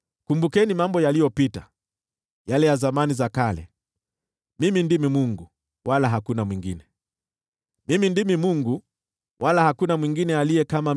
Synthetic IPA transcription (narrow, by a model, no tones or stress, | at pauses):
kumbukɛnimambɔjalijɔpita | jalɛjazamanizakalɛ̰ | mimindimimuŋɡu | walaɦakunamwiŋɡinɛ | mimindimimuŋɡu | wʔalahakunamwiŋɡinɛalijɛkama